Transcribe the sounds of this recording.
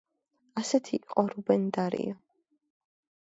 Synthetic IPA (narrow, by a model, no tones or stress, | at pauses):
asɛt̪ʰiiqʼɔɾubɛnd̪aɾḭa